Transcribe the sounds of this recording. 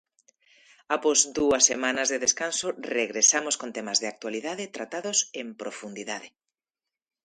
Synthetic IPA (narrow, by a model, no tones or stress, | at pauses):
apɔzðuɐsːemãnɐzðeðeskansoreɣɾesamoskont̪ɛmazðeak̚t̪waliðaðɪt̪ɾat̪aðosempɾofund̪iðaðe